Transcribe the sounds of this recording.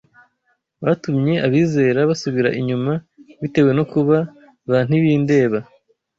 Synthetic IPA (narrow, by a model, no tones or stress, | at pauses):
βatumɲe̞ʔaβiːze̞ːɾaβasuβiɾaʔiɲuma | βite̞we̞no̞kuβa | βan̥iβiːnde̞ːβa